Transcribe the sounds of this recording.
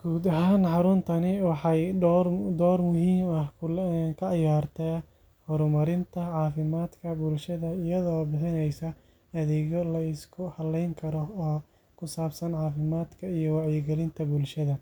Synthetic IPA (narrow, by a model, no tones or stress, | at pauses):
ɡ̥uːd̪ɐɦaːnħɑɾʊnt̪ʰɐnɪwɑħɑj | d̪ɔːrmʊɦiːmɐhkkʰɐʕɑjaːrt̪ʰɛ | hɔɾmɐɾɪnt̪ʰɐʕɑːfɪmaːd̪kʰɐbʊlʃɐðɐɪjɐðɔːbɪħɪnɛjsɐ | ɐðɛɣɔlɐɪskʰʊhɐlɛjŋkʰɐɾɔɔː | kʰʊsaːbsɐnʕɑːfɪmaːd̪kʰɐijɔwɑʕjɪɡɛlɪnt̪ʰɐbʊlʃɐðɐ